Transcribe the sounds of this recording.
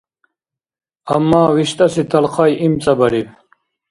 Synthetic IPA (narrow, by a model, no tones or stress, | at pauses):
ɐmːaːwiɕt̪ɐsit̪ʰɐlqʰɑːjimt͡sɐbɐɽib̚